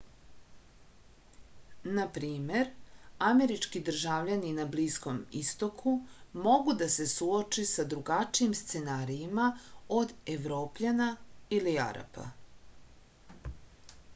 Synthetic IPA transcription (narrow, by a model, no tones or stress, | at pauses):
napɾiːme̞ɾame̞ɾit͡ʂkid̪r̩ʒaʋʎaninabliːsko̞mist̪o̞kʰumo̞ɡud̪ase̞suot͡ʃisad̪ɾuɡat͡ʃiimst̪se̞naːɾiimao̞d̪eʋɾo̞ːpʎanailia̰ɾa̰pʰa̰